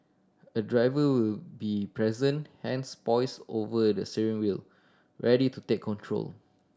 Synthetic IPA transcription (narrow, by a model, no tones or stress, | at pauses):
ədɹajvəwilbipɹɛzə̃nhɛ̃nspɔɪsovədəsiɹĩŋwil | ɹʔɛditutekʰːɔ̃ntʰɹo̰l